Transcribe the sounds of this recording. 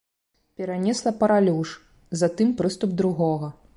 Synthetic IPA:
pʲɛɾanʲɛslˠɐpɐɾalʲuʂ | zɐt̪ɨmpɾɨst̪ub̚d̪ɾuɣɔɣɐ

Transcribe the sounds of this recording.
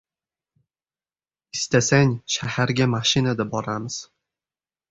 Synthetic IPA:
ɪst̪asaŋʲʃahaɾɡʲamaʃɪnad̪abɒɾamɪz̥

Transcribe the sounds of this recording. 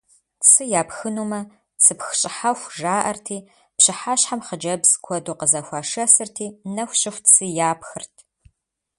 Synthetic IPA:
t͡sʰɨjaːpxɨnuːmɐ | t͡sʰɨpxɕʼɪħaxʷʒaːʔɐrtʰiː | pɕɪħaːɕħamχəd͡ʒɐbz̥kʷʰɔduːqəzɐxʷaːʂɐsɨrtʰiːnɐxʷɕʼɪxʷtt͡sʰɨjaːpxɨrtʰ

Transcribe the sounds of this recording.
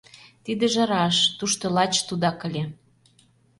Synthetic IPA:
t̪id̪ĕʒɑɾɑʃt̪uʃt̪olɑt͡ɕt̪ud̪ɑkə̆lʲe

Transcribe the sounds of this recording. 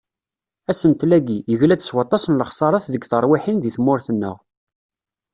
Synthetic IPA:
æsənt̪læɡijəʝlæd̪əswɑt̪ˤːɑsənləχsˤɑɾˤɑθðəɡθəɾˤwiħinðiθmʊɾθənːə̰ʁ

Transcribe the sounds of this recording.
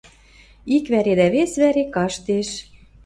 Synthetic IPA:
ikβæɾed̪æβesβæɾekɑʃt̪eʃ

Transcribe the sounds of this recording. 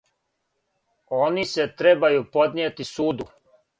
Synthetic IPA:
o̞ːnise̞t̪ɾebajupo̞d̪nʲjeːt̪isuːd̪u

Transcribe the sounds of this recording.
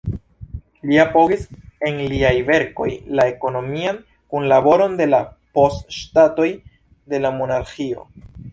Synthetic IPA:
liapo̞ɡise̞nliajve̞ɾko̞jlae̞ko̞no̞mian | kunlabo̞ɾo̞nde̞lapo̞stʃtato̞j | de̞lamo̞naɾxio̞̰

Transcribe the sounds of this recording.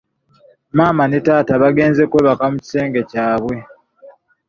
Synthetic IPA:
maːmanetaːtaβaɡe̞ːnzekweːβakamuci̥se̞ːŋɡe̞caːβwe̞

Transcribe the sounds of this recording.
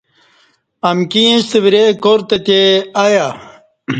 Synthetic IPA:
ɐmkijẽst̪əbiɾekoɾt̪et̪eaja

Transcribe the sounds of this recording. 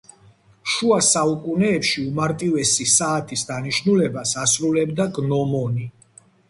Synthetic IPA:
ʃuasaukʼunɛːpʃiumaɾt̪ʼivɛsisaːt̪ʰisd̪aniʃnulɛbasasɾulɛbd̪aɡnɔmɔni

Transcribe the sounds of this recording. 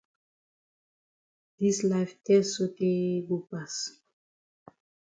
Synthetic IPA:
d̥islaft̪ɛsot̪eɡupas

